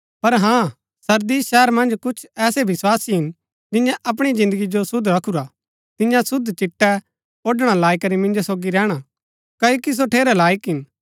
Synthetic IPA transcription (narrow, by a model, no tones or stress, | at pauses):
pɐɾɦãː | sɐɾd̪isʃɛːɾmɐ̃nd͡ʒkʊt͡ʃʰɛːsebɪswaːsiɦɪn | d͡ʒɪjãʔɐp̬ɽ̃id͡ʒɪ̃nd̪əɡid͡ʒosʊd̪ʱɾɐkʰuɾa | t̪ɪ̃jãsʊd̪t͡ʃɪʈːɛ | oːɖɽ̃alaːikɐɾimɪ̃nd͡ʒosoːɡiɾɛːɽ̃a | kɐjokis̬oʈʰeːɾɛlaːɪkɦɪn